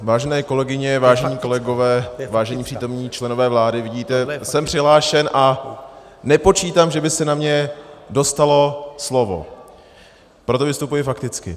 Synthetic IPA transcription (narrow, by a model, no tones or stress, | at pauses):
vaːʒɛnɛːko̞lɛɡɪɲɛvaːʒɛɲiːko̞lɛɡo̞vɛːvaːʒɛɲiːpr̥iːt̪o̞mɲiːt͡ʃlɛno̞vɛːvlaːdɪvɪɟiːt̪ɛsɛmpr̥ɪɦlaːʃɛnʔa | nɛpo̞t͡ʃiːt̪amʒɛbɪsɛnamɲɛdo̞st̪alo̞slo̞vo̞̰ | pɾot̪o̞vɪst̪upujɪfakt̪ɪt͡skɪ̰